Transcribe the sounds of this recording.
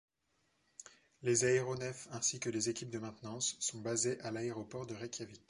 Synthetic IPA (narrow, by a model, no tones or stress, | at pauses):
lezaeʁonɛfɛ̃sikəlezekʲip̚d̪əmɛ̃t̪nɑ̃sːɔ̃bazeʔalaeʁɔpɔʁd̪əʁɛkʰʲjavik